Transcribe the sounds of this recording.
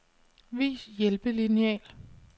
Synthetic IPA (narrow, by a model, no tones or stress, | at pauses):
ʋḭːsjelb̥əlineɛ̰ːl